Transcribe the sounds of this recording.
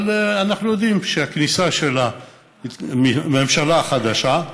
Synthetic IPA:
lanaxnujod̪imʃaknisaʃela | mmemʃalaxad̪aʃa

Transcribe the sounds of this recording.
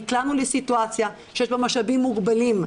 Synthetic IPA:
klanulesituat͡sjaʃejeʃbemaʃabimːuɡbalim

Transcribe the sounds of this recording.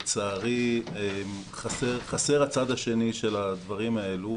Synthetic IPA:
t͡saːʁiem | χaseʁχase̞ʁat͡sad̪aʃe̞niʃe̞lad̪vaʁimae̞lu

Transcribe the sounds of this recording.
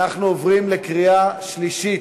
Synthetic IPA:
aχnuovʁimlekʁiaʃʃliʃit

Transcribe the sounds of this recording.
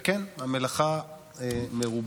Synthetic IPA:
kenhamelaχa | meʁub

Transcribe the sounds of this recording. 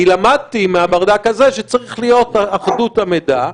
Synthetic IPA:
ilamad̚timeabaʁd̪akazeʃet͡saʁiχlijo̞taaχdutameda

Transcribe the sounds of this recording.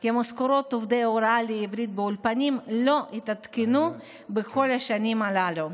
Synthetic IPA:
kimoskoɾo̞t̪ovd̪ejoɾaleivɾit̪̚beulpanimlo̞ʔit̪at̪kenu | beko̞laʃanimalalu

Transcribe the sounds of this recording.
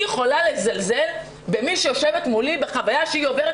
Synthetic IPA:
eχo̞lale̞zalze̞l | be̞miʃejo̞ʃe̞vetmulibeχavajaʃehio̞veʁe

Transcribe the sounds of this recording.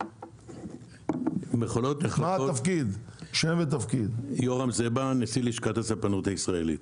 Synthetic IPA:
meχolot̪neχlmat̪afkid̪ʃemvet̪̬afkid̪joʁamzebanesiliʃkathasapanuthaisʁaelḭt̪

